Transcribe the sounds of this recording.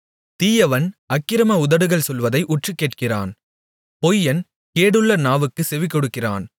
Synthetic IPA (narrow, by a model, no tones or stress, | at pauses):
t̪iːjɐʋɐnɐkːɪɾɐmɐʊðɐɽɯɣɐɭsɔlʋɐðɐɪʔʊʈrɯkːeːʈ̚kɪra̰ːn | pɔjːɐn | keːɽɯɭːɐnaːʋɯkːɯsɛʋɪkːɔɽɯkːɪra̰ːn